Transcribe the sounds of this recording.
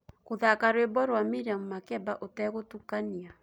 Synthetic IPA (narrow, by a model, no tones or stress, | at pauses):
ɣoðakaɾwebɔɾwamiɾiamumakɛbaʔotɛɣotukania